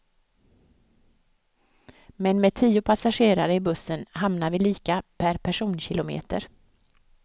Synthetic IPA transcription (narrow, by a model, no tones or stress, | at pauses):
mɛnmeːd̪̚t̪ʰiːʊpʰasaɧeːɾaɾəɪbɵsːənɦamnaɾvɪliːkapʰæɾpʰæʂuːnɕɪlʊmḛːt̪ə̰ɾ